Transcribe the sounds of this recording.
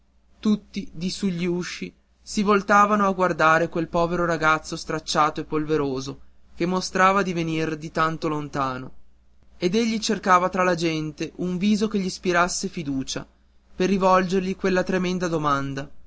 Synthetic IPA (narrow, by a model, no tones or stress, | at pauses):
t̪ut̪ːid̪isuʎːiuʃːi | sivolt̪aːvanoaɡward̪aːɾekwelpɔːveɾoɾaɡat̪sːost̪ɾat͡ʃːaːt̪oepːolveɾoːzokemːost̪ɾaːvad̪ivenird̪it̪ant̪olont̪aːno | ed̪eʎːit͡ʃerkaːvat̪ɾalad͡ʒɛnt̪eʔuɱviːzokeʎːispiɾasːefid̪uːt͡ʃa̰ | perːivɔld͡ʒerʎikwelːat̪ɾemɛnd̪ad̪omand̪a